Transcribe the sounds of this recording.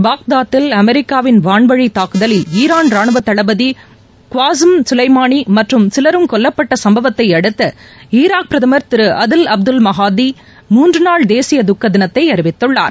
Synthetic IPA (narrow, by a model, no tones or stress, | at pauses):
baːk̚d̪aːt̪ːɪlɐmɛɾɪkːaːʋɪnʋaːɳbɐɻit̪aːkɯðɐlɪliːɾaːnɾaːɳɯʋɐt̪ːɐɭɐbɐði | kʊʋaːsɯmsʊlɐɪmaːnimɐʈrɯmsɪlɐɾɯmkɔlːɐpːɐʈːɐsɐmbɐʋɐt̪ːɐɪɐɽɯt̪ːɐiːɾaːk̚pɪɾɐðɐmɐɾt̪ɪɾɯʔɐðɯlɐb̚d̪ɯlmɐɦaːd̪i | muːndrɯnaːɭd̪eːsɪjɐd̪ʊkːɐd̪ɪnɐt̪ːɐɪɐɾɯʋɪt̪ːɯɭːa̰ːɾ